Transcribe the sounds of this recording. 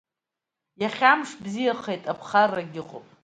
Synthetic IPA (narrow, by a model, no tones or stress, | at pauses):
jaχʲamʂbzijaχejtʼapʰχarːaɡʲɪqʼo̰pʼ